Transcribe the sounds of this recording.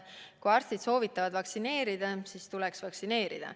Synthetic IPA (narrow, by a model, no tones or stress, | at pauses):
kuɑːrst̪id̪̥so̞ːvit̪ːˑɑvɑd̪vɑksine̞ːɾid̪̥ɑsiːst̪ulɛksvɑksine̞ːɾḭd̪̥ɑ̰